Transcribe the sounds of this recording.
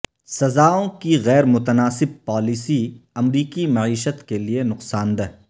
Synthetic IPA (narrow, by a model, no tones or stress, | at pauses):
sɐzaːõkiɣɛːɾmʊt̪ənaːsɪb̚paːlisiɐmɾiːkimɐʕiːʃət̪kelienʊqsaːnd̪ɐɦ